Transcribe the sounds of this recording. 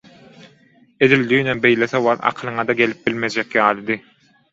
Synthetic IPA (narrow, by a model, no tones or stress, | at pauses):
e̞d̪ilʲd̪yːnembe̞jleθewɑlˠɑ̰qʰɯlˠɯŋɑd̪ɑɡʲe̞lip̚b̥ilʲmed͡ʒekjɑːlˠɯd̪ɯ